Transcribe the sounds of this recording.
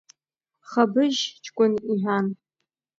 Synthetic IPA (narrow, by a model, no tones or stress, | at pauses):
χɐbɨʒt͡ʃʰʼkʷʼʊnʔiħᶣʷaːn